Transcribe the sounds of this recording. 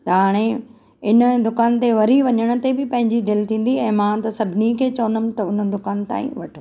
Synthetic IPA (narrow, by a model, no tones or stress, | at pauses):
t̪ɐɦaːɽ̃e | ɪnə̆d̪ʊkaːnt̪eʋɐɾiʋɐɲəɽ̃ʊ̆t̪ebɪpɐ̃ɦɪ̃ɲd͡ʑid̪ɪlt̪ʰĩːn̆d̪iɛ̃ːmãːt̪ɐsɐbʱɪnikʰeːt͡ɕɐʋənəmt̪ɐʊnə̆d̪ʊkaːnt̪a̰ːḭ̃ʋɐʈʰo